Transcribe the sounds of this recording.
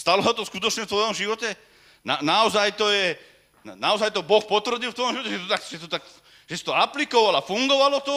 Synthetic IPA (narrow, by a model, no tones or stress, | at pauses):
st̪alɔɦɔt̪ɔskut̪ɔt͡ʃɲɛft̪ʋɔjɔmʒiʋɔtɛ | nanaɔzajt̪ɔjɛ | naɔzajt̪ɔbɔxpɔt̪ʋr̩ɟil̩ˠft̪ʋɔjɔmʒiʋɔcɛʒɛt̪ɔt̪akʒɛt̪ɔt̪ak | ʒ̥ɛsi̥t̪ɔaplikɔʋalafuŋɡɔʋalɔt̪ɔ